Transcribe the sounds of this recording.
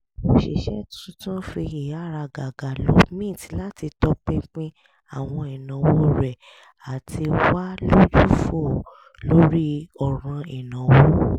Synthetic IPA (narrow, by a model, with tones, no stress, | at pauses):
mo˨ʃe˨ʃɛ˦tũ˦tũ˦fi˧i˨a˦˨ɾa˧˨ɡa˨ɡa˨lo˨˦mĩ˦˨ti˦la˦ti˧tɔ˦k͡pĩ˦k͡pĩ˦ | a˨w̃ɔ̃˧i˨nã˨wo˦ɾɛ˨ | a˨tʰi˧wa˦lo˦d͡ʒu˦fo˦˨ | lo˦ɾi˦ɔ˨ɾ̃ã˧i˨nã˨wo˦